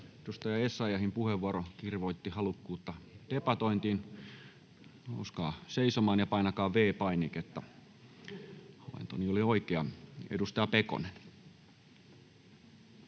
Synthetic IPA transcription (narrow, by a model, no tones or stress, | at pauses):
edust̪ɑjɑesːɑjɑhimpuheʋːuɑɾokirʋoit̪ːihɑlukːuːt̪ːɑt̪epɑt̪oint̪iːn | o̰uskɑ̰ːseisomɑːnjɑpɑinɑkɑːʋʋeːpɑiniket̪ːæ | hɑlḛnt̪oniolioikeɑḛdust̪ɑjɑpeko̰nen